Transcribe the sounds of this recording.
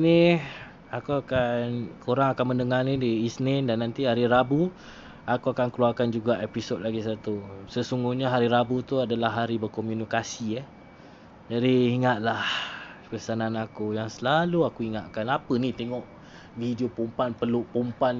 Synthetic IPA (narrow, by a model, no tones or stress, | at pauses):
ni | akuakankoɾaŋakanməndəŋanĩdiisnɛndanːant̪iɦaɾiɾabu | akuakankəluarkand͡ʒuɡaʔepisod̚laɡisat̪usəsuŋɡuhɲaɦaɾiɾabut̪uadalaɦːaɾibərkomjunikasiə | d͡ʒadiːŋat̪ʔ̪̚lahpəsananakujaŋsəlaluakuiŋaʔ̪kanapənĩt̪eŋɔʔ | vidiopumpanpərlupumpan